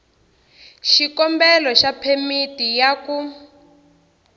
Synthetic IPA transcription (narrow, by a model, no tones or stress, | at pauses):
ʃikɔmbɛlɔʃapʰemitijaku